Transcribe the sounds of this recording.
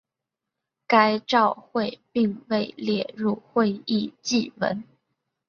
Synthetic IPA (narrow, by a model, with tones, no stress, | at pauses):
ka˥ɪʈ͡ʂɑ˥˧ʊxwe˥˧ɪpi˥˧ŋwe˥˩ɪljɛ˥˩ɻu˥˧xwe˥˧ɪi˥˧t͡ɕi˥˩wə̰˧˥n